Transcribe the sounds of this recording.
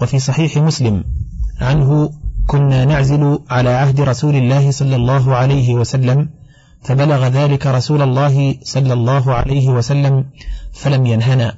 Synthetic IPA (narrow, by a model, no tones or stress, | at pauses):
wafiːs̬ˤɑħiːħɪmʊslɪmʕanɦʊkʊnːaːnaʕzɪlʊʕalaːʕahd̪ɪɾˤɑsuːlɪlːaːhɪsˤɑlːɑlˤːɑːɦʊʕalajɦɪwasalːam | fabalaɣaðaːlɪkaɾˤɑsuːlalˤːɑːɦɪsˤɑlːɑlˤːɑːɦʊʕa̰lajɦɪwasalːamfalamjanɦanaː